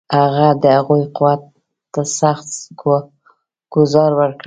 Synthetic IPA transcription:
haɣad̪əhaɣujquwat̪ː | asaxt̪ɡ | ɡ̥ʊzɑɾwəɾkɽ

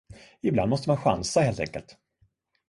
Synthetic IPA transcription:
ɪbla̰nd̪mɔst̪əmanɧa̰nsaheːlt̪ɛ̰ŋkəlt̪

